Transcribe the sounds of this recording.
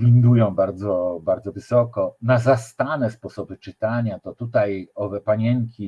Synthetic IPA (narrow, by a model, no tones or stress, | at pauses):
lʲind̪ujɔ̃w̃baɾd̪zɔbaɾd̪zɔvɘsɔkɔnazast̪anɛspɔsɔbɘt͡ʂɘt̪aɲat̪ɔt̪ut̪ajɔvɛpaɲɛŋkʲi